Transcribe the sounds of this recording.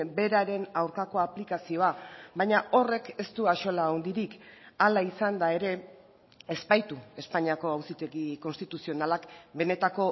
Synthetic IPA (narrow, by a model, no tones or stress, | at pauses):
be̞ɾaɾe̞nawɾkako̞aplikasio̞aβajɲaʔo̞re̞ke̞st̪uaʃo̞laond̪iɾikalaisand̪ae̞ɾe̞ | e̞spajt̪ue̞spaɲiako̞awsit̪e̞ɣiko̞nst̪it̪usio̞nalakbe̞ne̞t̪ako̞